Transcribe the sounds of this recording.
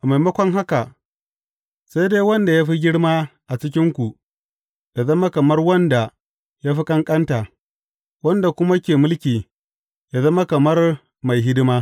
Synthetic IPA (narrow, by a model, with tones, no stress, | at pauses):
ʔa˨ma˨jmɐ˦kʷɔ˦ŋɦa˦ka˨ | sa˦jdeː˦wɐ˦nda˨jaː˦ɸi˦ɡʲɪ˦ɽmaː˦ʔa˨t͡ʃɪ˦k̬ʲɪ˦ŋkʷu˨ | ja˨zɐ˦ma˦kɐ˨mɐ˦rwɐ˦nda˨ | ja˦ɸi˦kʼɐ˦ŋkʼɐ˦nta˨ | wɐ˦nda˨kʷʊ˦ma˦kʲeː˨mʊ˦lkʲiː˨ | ja˨zɐ˦ma˦kɐ˨mɐ˦r | ma˨jɦɪ˦dɪ˦maː˦